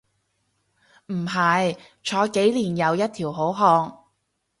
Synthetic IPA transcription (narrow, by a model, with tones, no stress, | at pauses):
m̩˨˩ɦɐ˨j | t͡ʃʰɔː˨˧˥ke˨˥jliː˨˩njɐ˨˧wjɐ˥t̚t̪ʰiː˨˩wɦo˨˥wɦɔː˧ŋ